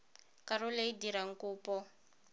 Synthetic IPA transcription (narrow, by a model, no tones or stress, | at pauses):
kaɾɔleidiɾaŋ̩kuːpɔ